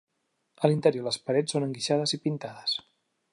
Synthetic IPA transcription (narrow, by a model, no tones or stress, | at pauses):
əlint̪əɾjoləspəɾɛt͡ssonəŋɡiʃað̞əzipint̪aðəs